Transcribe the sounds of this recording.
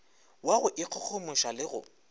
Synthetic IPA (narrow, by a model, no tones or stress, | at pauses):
waɣʊʔɪq͡χʰʊk͡xʰomʊʃalɪɣʊ̰